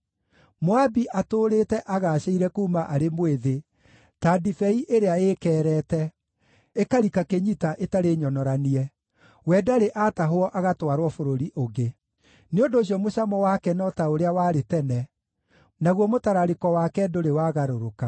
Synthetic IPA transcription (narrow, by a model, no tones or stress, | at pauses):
moabiʔatoːɾetɛʔaɣaɕeiɾɛkuːmaʔaɾemweðe | tadifɛiʔeɾeaeːkɛːɾɛtɛ | ekaɾikakeɲitaʔetaɾeɲɔnɔɾaniɛ | wɛdaɾeʔataɦoɔʔaɣatwaɾwɔfoɾoɾiʔoɡe | neondoːɕiɔmoɕamɔwakɛnɔtaoɾeawaːɾetɛnɛ | naɣwɔmotaɾaɾekɔwakɛdoɾewaɣaɾoɾoka